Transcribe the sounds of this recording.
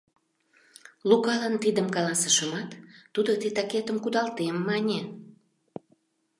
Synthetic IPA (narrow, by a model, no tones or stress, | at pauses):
lukɑlɑnt̪id̪əmkɑlɑsə̥ʃəmɑt̪ːud̪ot̪et̪ɑket̪əmkud̪ɑlt̪emːɑnʲe